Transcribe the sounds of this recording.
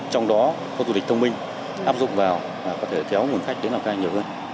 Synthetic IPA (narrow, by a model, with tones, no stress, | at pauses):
t͡ɕɔ˧wŋ͡mɗɔ˨˦ | ko˧zu˧˨i˨˩k̟̚t̪ʰə˧ŋ͡mmï˧ŋ̟ | ʔaː˦˥p̚zʊ̰˨˩k͡pŋ͡m̚vaː˨˩w | vaː˨˩kɔ˨˦t̪ʰe˧˩kɛ˨˦wmu˨˩nxa˦˥k̚ɗe˨˦nːlaː˨˩kːjɲi˨˩əwhəː˧n